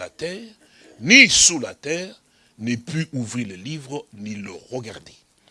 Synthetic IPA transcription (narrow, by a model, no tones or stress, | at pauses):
la̰t̪ɛːʁ | nisula̰t̪ɛːʁ | nepyʔuvʁiʁlelivʁəniləʁəɡaʁd̪e